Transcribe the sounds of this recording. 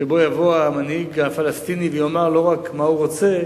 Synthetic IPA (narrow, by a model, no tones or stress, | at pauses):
ebo̞javo̞amanhiɡafalast̪inivejomaʁlo̞ʁakmauʁot͡se̞